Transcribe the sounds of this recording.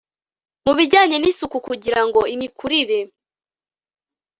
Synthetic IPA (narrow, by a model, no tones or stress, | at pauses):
muβiɟaːɲe̞nisukukuɟiɾaŋɡo̞imikʰuɾiɾe̞